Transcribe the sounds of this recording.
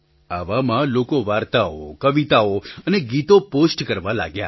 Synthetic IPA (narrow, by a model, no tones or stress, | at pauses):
aʋamãlokoʋaɾt̪aokəʋit̪aoəneɡit̪oposʈkəɾʋala̰ɡja̰